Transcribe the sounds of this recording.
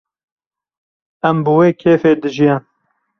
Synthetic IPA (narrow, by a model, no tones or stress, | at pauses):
æmbɨweːkʰeːfeːd̪ɨʒijɛn